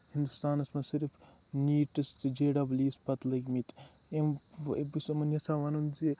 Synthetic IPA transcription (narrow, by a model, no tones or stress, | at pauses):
hind̪ust̪aːnɐsmɐsiɾfʰ | niːʈɨst̪ɨd͡ʒeːɖɐbliːspɐt̪lɐɡmit̪ | embisɐmɐnjɐsaːʋɐnunzi